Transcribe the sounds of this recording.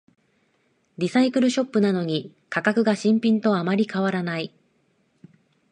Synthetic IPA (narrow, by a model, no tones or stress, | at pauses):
ɾʲisaikɯ̟ɾɯ̟ɕo̞pːɯ̟nano̞ɲ̟i | kakakɯ̟ɡaɕĩmpʲĩnt̪o̞amaɾʲikaβaɾanai